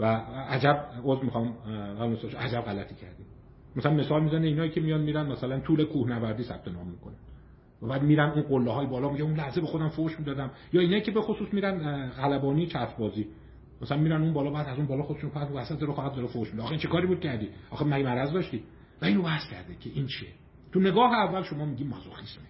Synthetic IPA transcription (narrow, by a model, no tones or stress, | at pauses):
vææd͡ʒæbozvmixɒmælsʔæd͡ʒæbɣælæt̪ʰiːcʰæ̰ɾd̪im | mæsælænme̞sɒːlmiːzæneinɒːiːcʰemijɒːd̪miːɾænmæsælænt̪ʰuːlekʰuːhnævæɾd̪iːsæb̥̚t̪ʰe̞nɒ̰ːmːikonænd̪̥ | væbæːd̪miːɾænunɢolːeɦɒːjbɒːlɒmiɟeunlæhzebexod̪æmfoʃmiːd̪ɒːd̪æm | jɒːiːnɒːjicʰe̞be̞xosuːsmiːɾænɣælæbɒːniːt͡ʃʰæt̪ɾbɒːziː | mæsælænmiːɾænuːnbɒːlɒːbæːd̪æzunbɒːlɒːxod̪eʃunopʰæsuvæsæt̪̚d̪ɒːɾexɒːhæd̪d̪ɒɾefohʃmid̪dːxeint͡ʃʰekʰɒːɾibuːd̪̚cʰæɾd̪iːʔɒːxemæɡemæɾæzd̪ɒʃt̪iː | væiːno̞væhscʰʲæ̰ɾd̪ecʰeʔiːnt͡ʃʰie | t̪ʰune̞ɡɒːɦeævːælʃo̞mɒːmiɟiːmɒzoxisme